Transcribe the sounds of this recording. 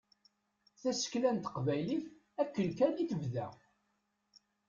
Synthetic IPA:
θæsə̥klænt̪ə̥qvæjliθ | ækːəlkæliθəvðæ

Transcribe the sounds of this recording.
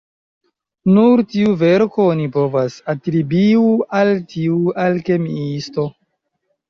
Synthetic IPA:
nuɾtiuve̞ɾkoonipo̞vasatɾibiualtiualke̞miisto̞

